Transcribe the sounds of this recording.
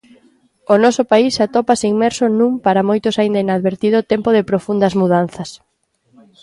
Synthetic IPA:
onɔsʊpaisat̪ɔpasiŋmɛɾsonũmpaɾɐmojt̪ʊsaind̪ɐinaðβeɾt̪iðʊt̪ɛmpʊðɪpɾofund̪ɐzmuðan̟θɐs

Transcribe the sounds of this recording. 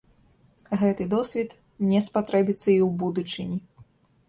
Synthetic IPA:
ɣɛt̪ɨd̪ɔsʲvʲit̪ | nʲɛspat̪ɾɛbʲit̪sːɐiwbud̪ut͡ʂɨnʲi

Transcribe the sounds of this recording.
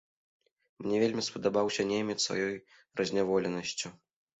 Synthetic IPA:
mnʲɛvʲelʲmʲispɐd̪abawsʲɐnʲɛmʲɛsva̰jɔj | rɐzʲnʲavɔlʲɛnɐsʲt͡sʲu

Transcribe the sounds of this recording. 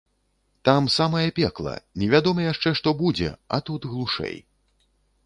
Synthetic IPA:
t̪amsamɐjɐpʲɛklˠɐ̰nʲɛvʲad̪ɔmɐjaʂt͡ʂɛʂt̪ɔbud͡zʲɛ̰a̰t̪ut̪ɣlˠuʂɛ̰j

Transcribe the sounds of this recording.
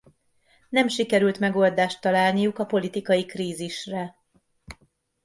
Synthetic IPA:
nɛmʃikɛɾylt̪mɛɡo̞ld̪aːʃt̪ːɒlaːlnijukɒpo̞lit̪ikɒjikriːziʃrɛ

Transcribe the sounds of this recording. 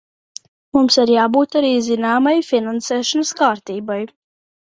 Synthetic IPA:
mumsaɾjaːbuːt̪aɾiːzinaːmajfʲinansɛːʃɔnəskaːɾt̪iːbaj

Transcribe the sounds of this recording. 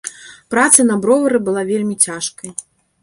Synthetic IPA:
pɾat̪sɐnɐbɾɔvɐɾɨbɨlˠavʲelʲmʲit͡sʲaʂkɐj

